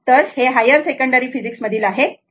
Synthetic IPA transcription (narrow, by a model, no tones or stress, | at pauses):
t̪əɾheɦajəɾsekəɳɖəɾiːfid͡ʑiksməd̪ʱiːlaɦe